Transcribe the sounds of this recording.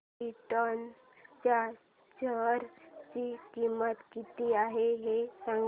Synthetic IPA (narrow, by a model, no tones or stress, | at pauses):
iʈən | t͡ɕa | t͡ɕəɾt͡ɕiːkimət̪kit̪iːaɦeɦesaŋ